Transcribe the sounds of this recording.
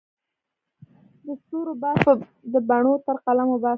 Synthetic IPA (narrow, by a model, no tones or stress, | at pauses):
d̪əsuɾobas | d̪əbaɳot̪əɾqalamobɑ